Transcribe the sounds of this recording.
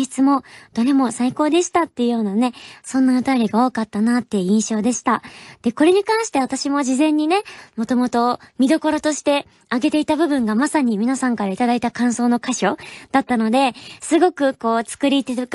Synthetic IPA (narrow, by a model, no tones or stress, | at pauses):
t͡sɨmo̞d̪̥oɾe̞mo̞saiko̞ːd̪e̞ɕi̥t̪at̪ːe̞jɯ̟jo̞ːnane̞sõ̞nːaot̪ajoɾʲiɡao̞ːkat̪ːanat̪ːeɯ̟ĩɰ̃ɕo̞ːd̪e̞ɕi̥t̪ad̪̥e̞ko̞ɾe̞ɲ̟ikãɰ̃ɕi̥t̪e̞β̞at̪aɕimo̞ʑizẽ̞ɲ̟ːine̞mo̞t̪o̞mo̞t̪o̞mʲid̪o̞ko̞ɾo̞t̪o̞ɕi̥t̪e̞ | aɡe̞t̪e̞it̪abɯ̟bɯ̟̃ŋɡamasaɲ̟imʲinasãŋkaɾait̪ad̪ait̪akãɰ̃so̞ːno̞kaɕo̞d̪̥at̪ːano̞d̪e̞sɨɡo̞kɯ̟ko̞ːt͡sɨ̥kɯ̟ɾʲit̪e